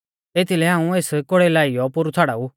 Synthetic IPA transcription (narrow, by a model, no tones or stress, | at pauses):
eːt̪ʰilɛɦãːũeːskoɽelaːijɔpʊɾutʰaːɽa̰ːu